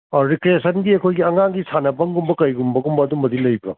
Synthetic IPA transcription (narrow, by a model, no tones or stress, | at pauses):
ɾikɾiesʰɐnɡiɐkʰojɡiɐŋaŋɡisʰanɐbɐŋɡumbɐkɐjɡumbɐɡumbɐːdumbɐdilɐjbɐ